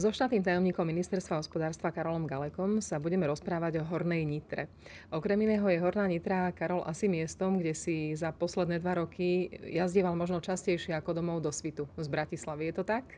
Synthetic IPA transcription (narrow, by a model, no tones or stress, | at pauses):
zɔʃt̪at̪iːmt̪ajɔmɲiːkɔmːinist̪ɛɾst̪ʋaɦɔspɔd̪aːɾst̪ʋakaɾɔlɔmɡalɛkɔmsabuɟɛmɛɾɔspɾaːʋaɟɔɦɔɾnɛjɲit̪ɾɛ̰ | ʔɔkɾɛminɛːɦɔjɛɦɔɾnaːɲit̪ɾakaɾɔlʔasimɪɛst̪ɔmɡɟɛsizapɔslɛd̪nɛːd̪ʋaɾɔkʰijazɟɪɛʋalmɔʒnɔt͡ʃascɛjʃɪɛakɔd̪ɔmɔʊd̪ɔsʋit̪uzbɾacislaʋijɛt̪ɔt̪ak